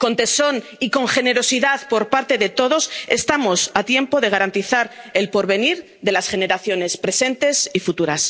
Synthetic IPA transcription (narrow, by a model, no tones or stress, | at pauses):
ko̞nt̪e̞so̞n | iko̞ŋxe̞ne̞ɾo̞siðaðpo̞ɾpaɾt̪e̞ðe̞t̪o̞ðo̞se̞st̪amo̞sat̪je̞mpo̞ðe̞ɣ̞aɾant̪iθaɾe̞lpo̞ɾβe̞niɾ | ðe̞lasχe̞ne̞ɾaθjo̞ne̞spɾe̞se̞nt̪e̞sifut̪uɾas